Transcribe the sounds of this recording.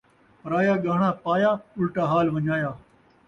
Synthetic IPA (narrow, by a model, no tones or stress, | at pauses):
ɾaːjaːɡaːɳ̃aːpaːjaːʊlʈaːɦaːlʋɐɲaːjaː